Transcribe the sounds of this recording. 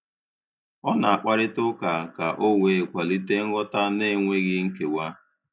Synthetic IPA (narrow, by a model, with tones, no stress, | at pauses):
ɔ˦na˨a˨k͡pa˦ɾɪ˦tʊ˦ka˨ka˨ʔo˦wʷe˨kʷa˨li˦te˦ŋ̩˦ɣɔ˦ta˦ne˦˨ŋʷe˦ɣɪ˦ŋ̩˦ke˨wa˦